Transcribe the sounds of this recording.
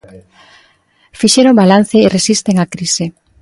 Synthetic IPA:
fiʃeɾombalan̟θeːresist̪eŋakɾise

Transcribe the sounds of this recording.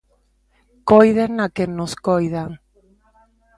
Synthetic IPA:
kojðeŋnakenoskojðaŋ

